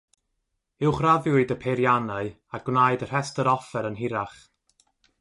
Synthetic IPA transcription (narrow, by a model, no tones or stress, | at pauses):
ɪwχraðjʊɨdəpʰeɾjanaɨ | aɡ̥wnajdər̥ɛstəɾɔfɛɾənɦɪɾaχ